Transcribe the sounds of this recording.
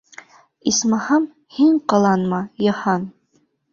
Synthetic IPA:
ismɑhɑm | hiɴqɑlˠɑnmɑjɑhɑn

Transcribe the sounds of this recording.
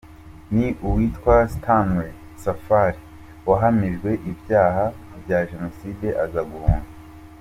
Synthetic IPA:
niʔuwiːtkwastʰanwe | safaɾi | waɦamiʒɡwe̞ʔibjaːɦabjaʒe̞no̞siːde̞ʔazaɡuhuːŋɡa

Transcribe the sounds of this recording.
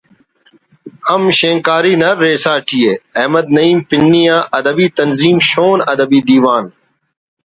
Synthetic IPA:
həmʃẽːŋkaːɾiːnɐɾːeːsaːʈijeːɐɦməd̪̚nəiːmpɪnːijãːʔɐd̪əbiːt̪ənziːmʃoːnɐd̪əbiːd̪iːʋaːn

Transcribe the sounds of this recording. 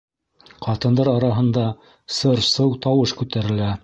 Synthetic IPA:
qɑt̪ɤ̆nd̪ɑɾɑɾɑɦɤ̆nd̪ɑ | sɤɾsɤwt̪ɑwɤʃkʉt̪æɾɘ̆læ

